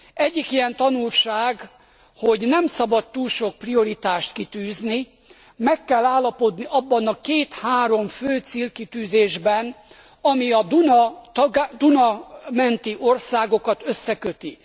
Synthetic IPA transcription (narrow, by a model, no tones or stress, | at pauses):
ɛɟːikijɛnt̪ɒnulʃaːɡ | ho̞ɟnɛmsɒbɒt̪t̪uːlʃo̞k̚prio̞ɾit̪aːʃt̪kit̪yːzni | mɛkːɛlːaːlːɒpo̞d̪niʔɒbːɒnɒkeːt̪haːɾo̞mføːt̪silkit̪yːzeːʒbɛn | ɒmiɒd̪unt̪ɡd̪unɒmɛnt̪iʔo̞rsaːɡo̞kɒt̪øsːɛkøt̪i